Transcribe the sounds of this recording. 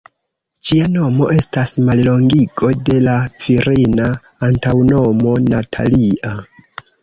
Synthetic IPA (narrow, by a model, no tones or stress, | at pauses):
d͡ʒiano̞mo̞̰ʔe̞stasmallo̞ŋɡiɡo̞de̞laviɾinaː | ntawno̞mo̞natʰa̰liʔa